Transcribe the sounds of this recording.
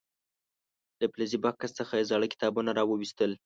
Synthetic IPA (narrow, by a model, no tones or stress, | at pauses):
d̪̥əplazibɑkast͡səxajezɑɽəkɪ̥t̪ɑbunaɾɑwəwist̪əl